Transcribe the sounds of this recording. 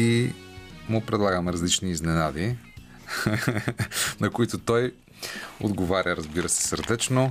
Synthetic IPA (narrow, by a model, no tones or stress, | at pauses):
i | mʊpɾɛd̪lˠaɡəmɛɾɐzlit͡ʃniːznɛnad̪i | nɐkoit̪ʊt̪ɔj | od̪ɡovaɾʲəɾəzbiɾəsɛ̥səɾd̪ɛt͡ʃno